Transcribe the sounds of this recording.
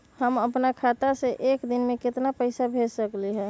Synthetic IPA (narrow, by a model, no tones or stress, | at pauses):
həməpnakʰat̪aseʔekd̪inmẽkɪt̪napəɪsabʱed͡ʒsəkliɦɛ̃ː